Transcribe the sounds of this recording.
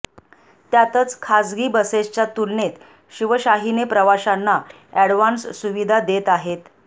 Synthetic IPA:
t̪jat̪ət͡skʰad͡zɡiːbəsest͡ɕjat̪ulnet̪ | ɕiʋəɕaɦinepɾəʋaɕanːa | æɽʋansːuʋid̪ʱad̪et̪aɦet̪

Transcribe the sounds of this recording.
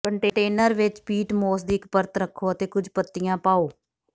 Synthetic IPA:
kəɳʈeːʈeːnəɾʋɪt͡ʃpiːʈmoːsd̪iːɪkpəɾt̪ɾəkʰːoːət̪eːkʊd͡ʒʱpət̪ːɪjãːpaːoː

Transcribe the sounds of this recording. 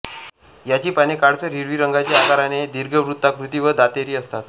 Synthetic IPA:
jat͡ɕiːpanekaɽt͡səɾiɾʋiːɾəŋɡat͡ɕiakaɾaned̪iɾɡʱəʋɾut̪ːakɾut̪iːʋəd̪at̪eɾiːəst̪at̪̚

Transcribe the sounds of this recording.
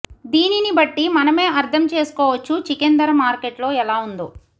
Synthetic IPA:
d̪iːninibɐʈːimɐnɐme̞ːɐɾd̪ʰʱɐmt͡ʃe̞ːsu̥kɔːʋɐt͡ʃːut͡ʃikend̪ɐɾɐmaːɾkeʈlo̞ːɛlaːund̪u

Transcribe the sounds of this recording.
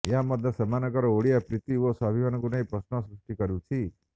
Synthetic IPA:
jaməd̪əsəmanəkəɾooɽiapɾɪt̪iʋosabʱiʋanɡunaipɾəsnɔsɾuʂʈikəɾjũt͡ʃʰi

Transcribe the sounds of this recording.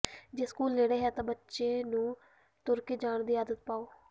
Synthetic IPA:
d͡ʒeːskuːlːeːɽeːɦɛːt̪ãːbətːʃeːnũː | t̪ʊɾkiːd͡ʒaːɳd̪iːaːd̪ət̪̚paːoː

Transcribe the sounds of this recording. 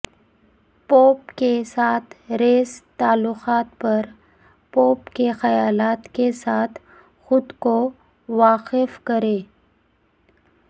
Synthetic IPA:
poːpkesaːt̪ʰɾeːst̪aːlːʊxaːt̪̚pɐɾ | poːpkexɐjaːlaːt̪kesaːt̪ʰ | xʊd̪ko | ʋaːqɪfkɐɾeː

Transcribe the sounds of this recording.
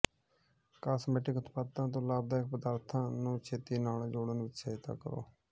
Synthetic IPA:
kaːsmeːʈɪkʊt̪paːt̪ãːt̪̬õːlaːb̚d̪aːɪk̚pəd̪aːɾt̪ʰãːnũːt͡ʃʰeːt̪iːnaːlːd͡ʒoːɽənʋɪt͡ʃsət̪a̰ːkəɾo̰ː

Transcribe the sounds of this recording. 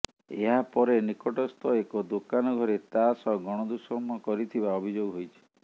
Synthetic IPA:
eɦapɔɾenikɔʈɔst̪ʰɔekɔd̪okanɔɡʱɔɾet̪asɔɡɔɽ̃ɔd̪usɔɾmɔkɔɾit̪ʰibaɔbʱid͡ʒoɡɦojt͡ʃʰi̥

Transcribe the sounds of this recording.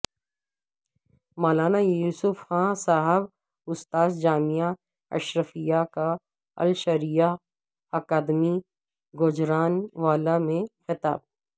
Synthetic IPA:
maːlaːnajuːsʊfxãːsaːɦəb | ʊst̪aːsd͡ʒaːmija | ɐ̰ʃɾəfijaka | ɐ̰lʃɐɾija | ɐkaːd̪mi | ɡʊd͡ʒɾaːnʋaːlamẽxɪt̪a̰ːb̚

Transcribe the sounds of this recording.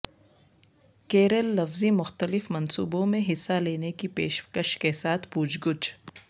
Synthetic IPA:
keːɾəlːɐfzimʊxt̪əlɪfmɐnsṵːbõmẽɦɪsːaleːnekipeːʃkəʃkesaːt̪ʰpuːd͡ʒɡʊt͡ʃ

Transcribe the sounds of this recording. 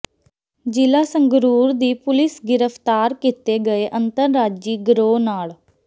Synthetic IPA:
d͡ʒɪlaːsəŋɡɾuːɾd̪iːpʊlɪsɡɪɾəpʰt̪aːɾkit̪eːɡəeːʔənt̪əɾːaːd͡ʒd͡ʒiːɡɾoːnaːɭ

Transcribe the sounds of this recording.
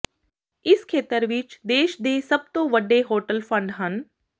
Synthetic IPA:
ɪskʰeːt̪əɾʋɪt͡ʃd̪eːʃd̪eːsɐb̚t̪õʋəɖeɦoːʈəlfʰə̃ɳɖɦən

